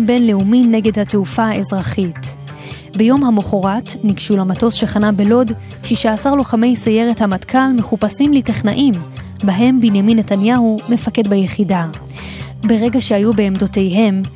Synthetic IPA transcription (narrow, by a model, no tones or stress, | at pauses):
be̞nleuminːe̞ɡe̞dhateufaaezʁaχit | bejo̞mhamoχoʁatniɡʃulamato̞sʃeχanabelo̞d | ʃiʃaːsaʁloχame̞jsaje̞ʁethamatkʰalme̞χupasimliteχnaʔim | baɦe̞mbinjaminːetanjahume̞fake̞dbajeχida | be̞ʁe̞ɡaʃeajube̞ːmdo̞te̞jɦe̞m